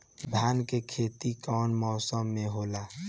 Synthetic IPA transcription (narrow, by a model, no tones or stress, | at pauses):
bʱaːnkekʰeːt̪ikɔːnmɔːsəmːẽɦoːlaː